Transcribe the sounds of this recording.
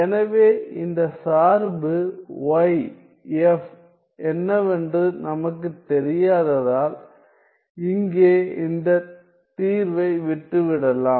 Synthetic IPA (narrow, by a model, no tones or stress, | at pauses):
ɛnɐʋeːɪnd̪ɐsaːɾbɯʋɐɪ | ɛf | ɛnːɐʋɛndrɯnɐmɐk̬ːɯt̪ɛɾɪjaːðɐðaːl | ɪŋɡeːɪnd̪ɐ | t̪iːɾʋɐɪʋɪʈːɯʋɪɽɐlaːm